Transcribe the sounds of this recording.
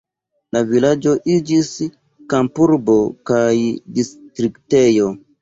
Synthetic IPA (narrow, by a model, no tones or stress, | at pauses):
lavilad͡ʒo̞ʔid͡ʒis | kampuɾbo̞kajdistɾikte̞jo̞